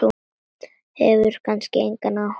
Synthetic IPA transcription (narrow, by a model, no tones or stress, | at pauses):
u | hɛvʏɾ̥kʰanscɪejŋkanːa